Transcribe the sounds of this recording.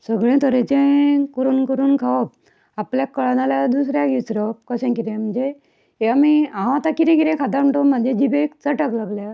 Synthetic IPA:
səɡɭẽt̪əɾẽt͡ɕẽkəɾuːnkəɾuːnkʰaəp̚ | apljakəɭnaljad̪us̬ɾjaɡit͡sɾəp̚kəɕẽkit̪ẽm̤əɳd͡ze | jamiãat̪akiɾɛ̃kiɾẽkʰad̪aməɳʈɔm̤əɳd͡ʑed͡ʑibekt͡səʈəklaɡlja

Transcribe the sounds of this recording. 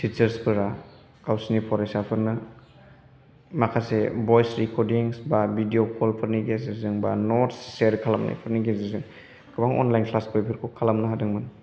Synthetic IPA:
tit͡ʃɐɾspʰɯɾa | kawsnipʰɔɾajsapʰɯɾnɯ | makʰasebɔjsɾikɔɾdiŋsbabidiokʰɔlpʰɯɾniɡesizɯŋba̰nɔtsseɾkʰalamna̰jpʰɯɾniɡezizɯŋ | kɯbaŋɔ̰nlajnpʰlaspojpʰiɾkʰukʰalamnɯɦadɯŋmɯn

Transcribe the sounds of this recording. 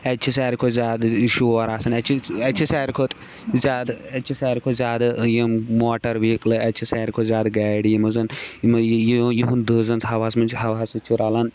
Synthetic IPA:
ɐt͡ʃʰisɛːɾikʰozʲjaːd̪ʃuːɐɾaːsɐnɐt͡ʃʰiɛt͡ʃʰisɛːɾikʰot̪ | zʲaːd̪ɐt͡ʃʰisɛːɾikʰozʲaːd̪ɨjɐmmoːʈɐɾʋiːklɨɐt͡ʃʰisɛːɾikʰozʲaːd̪ɡaːɽijimɐzɐnmjijiɦund̪əːzɐnt͡sɦɐʋaːsmɐnt͡ʃhɐʋaːsɨt͡ʃʰuɾaːlɐn

